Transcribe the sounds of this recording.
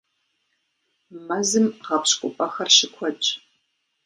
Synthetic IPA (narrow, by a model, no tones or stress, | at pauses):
mɐzɨmʁɐpɕkʷʼʊpʼɐxɐrʃɪkʷʰɔt͡ʃʼ